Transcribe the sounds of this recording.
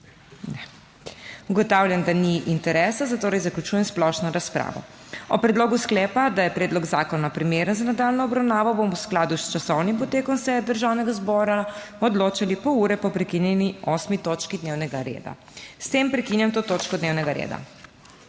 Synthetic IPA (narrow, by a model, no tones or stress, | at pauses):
nɛ | uɡɔt̪awljand̪aniʔint̪ɛɾɛsazat̪oːɾɛjzaklut͡ʃuːjɛmsplɔʃnɔɾaspɾa̰ːʋɔ̰ | ɔpɾɛd̪loːɡusklɛːpad̪ajɛpɾɛːd̪lɔɡzaːkɔnapɾimeɾənzanad̪alnɔːbɾawnaːʋɔbomɔwsklaːd̪ust͡ʃasɔwnimpɔt̪eːkɔnsɛd̪əɾʒaːwnɛɡazbɔːɾa | ɔd̪loːt͡ʃalipɔuːɾɛpɔpɾɛkinjɛniɔsmit̪oːt͡ʃkid̪newnɛɡaɾḛːd̪a̰ | st̪empɾɛkinjamt̪oːt̪oːt͡ʃkɔd̪neːwnɛɡaɾḛːd̪a̰